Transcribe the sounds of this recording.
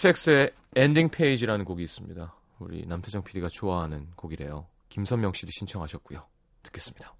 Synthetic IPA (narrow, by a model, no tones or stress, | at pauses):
pʰek̚s͈ɯe̞ | endiŋpʰe̞id͡ʑiɾanɯnkoɡiːs͈ɯmɲḭda | ṵɾḭnamtʰed͡ʑʌŋpʰiɾiɡat͡ɕʰoaɦanɯnkoɡiɾe̞jo | kimsʰʌŋmjʌŋɕ͈iɾiɕʰint͡ɕʰʌŋɦaɕʰʌt̚k͈ujo | tɯ̥k͈e̞s͈ɯmɲid̥a